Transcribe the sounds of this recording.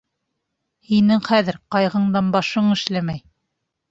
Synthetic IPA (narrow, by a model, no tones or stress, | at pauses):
hinɘŋχæðɘɾqɑjʁɤ̆ɴd̪ɑnbɑʃɤɴɘ̆ʃlæmæj